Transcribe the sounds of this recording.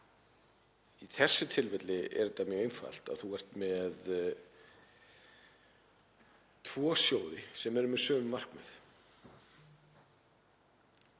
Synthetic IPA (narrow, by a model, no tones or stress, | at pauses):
iθɛsːʏt̪ʰɪlvɪt̪lɪɛ̰ɾt̪amjœːejnfa̰l̥t̪a̰θuɛr̥t̪mɛð | t̪ʰvɔːsjoːwðɪsɛmɛɾʏmɛðsœːvʏmːar̥kmʏθ